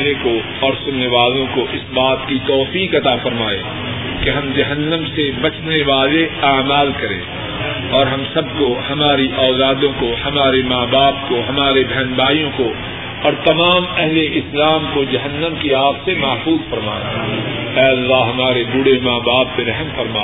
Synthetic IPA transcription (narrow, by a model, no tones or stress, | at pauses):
leko | ɔːɾsʊnːeʋaːlõkoʔɪsbaːt̪kit̪ɔːfiːkɐt̪afɐɾmaːḛ | keɦɐmd͡ʒɐɦənːəmsebɐt͡ʃneʋaːleaːmaːlkɐɾḛ̃ː | ɔːɾɦɐmsɐb̚kohɐmaːɾiʔɔːzaːd̪õkohɐmaːɾemaːbaːp̚koɦɐmaːɾebʱɛːnbaːijõko | ɔːɾt̪ɐmaːmɛɦleʔɪslaːmkod͡ʒɐɦənːə̃mkiaːpsemaːfuːzfɐɾma̰ːḛ | ɛːɐlːaːɦɐmaːɾebʊɽemaːbaːp̚ːeɾɛɦmfɐɾmaː